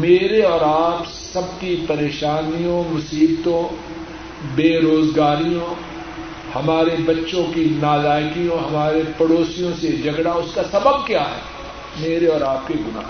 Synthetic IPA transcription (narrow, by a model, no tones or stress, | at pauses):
meːɾeɔːɾaːp | sɐb̚kipɐɾeːʃaːnijõmʊsiːbt̪õ | beːɾoːzɡaːɾijõ | hɐmaːɾebɐtːʃõkinaːlaːjkijõɦɐmaːɾepɐɽoːsijõsed͡ʒʱɐɡɽaʊskasɐbəb̚kjaːɦɛ̰ː | meːɾeɔːɾaːp̚keɡʊna̰ː